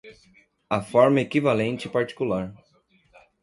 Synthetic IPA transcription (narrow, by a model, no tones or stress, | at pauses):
ɐfɔɾmɐekivalẽnt͡ʃɪɪpaɾt͡ʃi̥kulaɾ